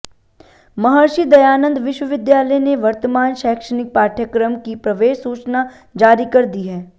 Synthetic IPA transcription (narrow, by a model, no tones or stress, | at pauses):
mɐɦəɾʃid̪ɐjaːnə̃nd̪ʋɪʃwəʋɪd̪jaːləjneʋɐɾt̪əmaːnʃɛːkʃənɪk̚paːɾʈʰjəkɾəmkipɾɐʋeːʃsuːt͡ʃna | d͡ʒaːɾikɐɾd̪iɦɛː